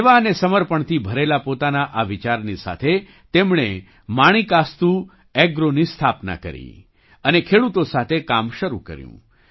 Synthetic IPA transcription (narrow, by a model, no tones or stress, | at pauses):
ʋaənesəməɾpəɳt̪ʰibʱəɾelapot̪anaʔaʋit͡ʃaɾnisa̰t̪ʰe | t̪emɳ̃e | maɽ̃ikast̪u | ɛɡɾonist̪ʰapna̰kə̰ɾḭ | ənekʰeɽut̪osat̪ʰekamʃəɾṵkə̰ɾjṵ̃